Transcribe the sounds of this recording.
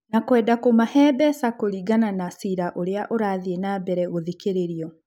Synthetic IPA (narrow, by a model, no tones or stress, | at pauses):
nakwɛːdakomahɛːbɛsakoɾiːɡananasiɾaʔoɾeaʔoɾaːðienaːbɛɾɛɣoðikeɾeɾiɔ